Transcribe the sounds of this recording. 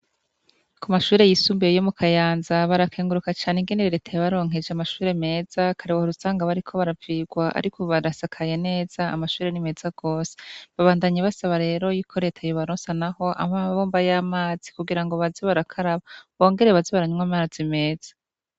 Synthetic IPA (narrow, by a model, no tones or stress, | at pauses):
kumaʃuːɾe̞jisuːmbeejomukʰajaːnzaβaɾakʰeːŋɡuɾukat͡ʃaːneŋɡeneɾeɾetʰajaβaɾo̞ːŋ̥ɦe̞d͡ʒeamaʃuːɾe̞me̞ːz̥akʰaɾewohoɾuzaːŋɡaβaɾikʰo̞βaɾaviːɡwaʔa̰ɾikʰoβaɾasakʰaje̞ne̞ːz̥a̰ːmaʃuːɾe̞nime̞ːz̥aɡ̥o̞ːse̥βaβaːndaɲeβasaβaɾe̞ːɾo̞jikʰo̞ɾe̞tʰajoβaɾoːnsanaho̞ʔa̰βaβoːmbajaːmaːz̥i̥kuɡiɾaŋɡo̞βaziβaɾakʰaɾaβaβo̞ːŋɡe̞ɾe̞βaziβaɾaɲuŋwamaːz̥ime̞ːz̥ḁ